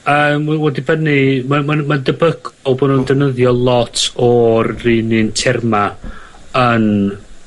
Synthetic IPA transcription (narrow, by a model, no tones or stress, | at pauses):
əːmwɛdibənimamamadəbəkʰɔbɔnundənəðjɔlˠɔtʰɔrːiːnɨntʰɛrma | ən